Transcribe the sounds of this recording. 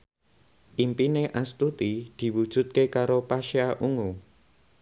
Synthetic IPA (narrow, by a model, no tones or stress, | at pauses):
ʔimpineʔast̪ut̪id̪̥i̤wud̥ʒ̥ṳt̪̚kekaɾopaʃaʔuŋu